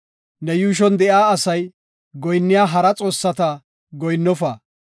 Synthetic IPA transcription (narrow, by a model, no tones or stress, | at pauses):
nɛjuːʃ̬ɔnd̪ɛʔaːɐsɐj | ɡɔjnːɪjaːɦɐɾɐt͡sʼo̞ːsːɐt̪ɐ | ɡɔjnːɔfɐ